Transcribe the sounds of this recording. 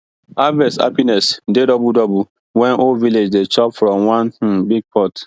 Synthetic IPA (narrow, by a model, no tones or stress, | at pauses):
avɛsa̰pinɛsdedɔbudɔbu | wɛ̃noviled͡ʒdet͡ʃɔpfɾɔ̃mwãnh̩biɡ̚pʰɔt